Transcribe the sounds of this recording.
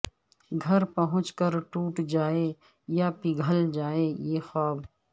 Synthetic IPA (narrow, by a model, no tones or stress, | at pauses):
ɡʱɐɾpəɦʊ̃t͡ʃkəɾʈuːʈd͡ʒaːe | japɪɡʱəld͡ʒaːejeːxɔːb